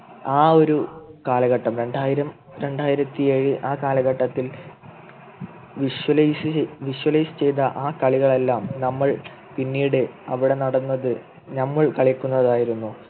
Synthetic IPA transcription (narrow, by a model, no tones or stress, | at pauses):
aːo̞ɾukaːlɐɣɐʈːɐmɾe̞ɳɖaːjiɾɐm | ɾe̞ɳɖaːjiɾɐt̪ːie̞ɻɨʔaːkaːlɐɣɐʈːɐt̪ːil | ʋiʂwɐlsʋiʂwɐlɐjsɨ̥t͡ɕe̞jt̪ɐʔaːkɐɭiɣɐɭe̞lːaːmnɐmːɐɭ | pinːiːɽɨɐʋiɽe̞nɐɽɐnːɐðɨ | nɐmːɐɭkɐɭikʲːunːɐðaːjiɾunːu